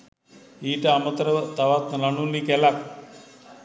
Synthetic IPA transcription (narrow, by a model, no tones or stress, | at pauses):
iːʈəamət̪əɾət̪aʋat̪lanulːikɛlak̚